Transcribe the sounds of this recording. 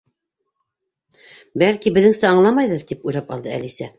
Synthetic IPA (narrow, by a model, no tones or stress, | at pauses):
bælkibɘ̆ðɘŋsæɑɴlˠɑmɑjðɤɾt̪ipujlɑpɑ̰lˠd̪ɤæ̰lisæ